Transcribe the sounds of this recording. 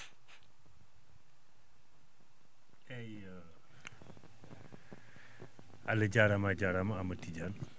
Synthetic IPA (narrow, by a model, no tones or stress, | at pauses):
ɛj | aləd͡ʒaɾamad͡ʒaɾamaamətid͡ʒan